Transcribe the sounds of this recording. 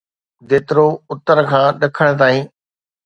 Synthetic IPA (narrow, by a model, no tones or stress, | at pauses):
ʋeːt̪ɾoʊt̪əɾkʰãːɗɐkʰəɽ̃̆t̪aːĩː